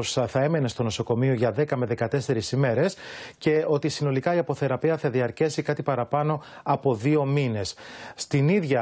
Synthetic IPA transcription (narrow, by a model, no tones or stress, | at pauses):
sθɐe̞me̞ne̞st̪o̞no̞so̞ko̞mio̞ʝɐðekɐme̞ðe̞kɐt̪e̞se̞ɾisime̞ɾe̞sce̞o̞t̪isino̞likɐiɐpo̞θe̞ɾɐpiɐθɐðiɐɾcesikɐt̪ipɐɾɐpɐno̞ɐpo̞ðio̞mine̞sːt̪iniðʝɐ